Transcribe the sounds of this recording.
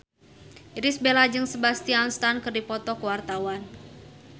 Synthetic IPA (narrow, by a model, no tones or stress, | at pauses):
iɾɪsbelad͡ʒɨŋsəbast̪ianst̪ankɨrdipɔt̪ɔkəwart̪awan